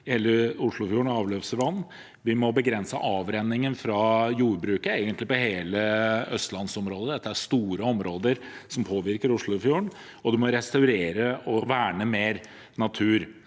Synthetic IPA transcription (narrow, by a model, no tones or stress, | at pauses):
heːlːəʊʂɭʊfjuːɳɑːʋløːʋsəʋɑnː | ʋɪmɔbəɡɾɛnsə̰ʔɑːʋɾɛnːɪŋənfɾɑjuːɾbɾʉːkəeːɡənt̪lɪpɔheːləœst̪lɑnsɔmɾoːd̪əd̪ɛt̪ːəæʂt̪uːɾəɔmɾoːd̪əɾsɔmpʰoːʋɪɾkəɾʊʂɭʊfjuːɳ | ɔd̪ɛmɔɾɛst̪ɑʉɾeːɾəɔʋæːɳəmeːɾ | nɑt̪ʰʉːɾ